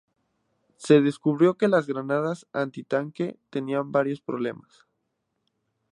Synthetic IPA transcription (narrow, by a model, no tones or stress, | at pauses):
se̞ðe̞skuβɾjo̞ke̞lazɣɾanað̞asant̪it̪aŋke̞t̪e̞niambaɾjo̞spɾoβ̞le̞mas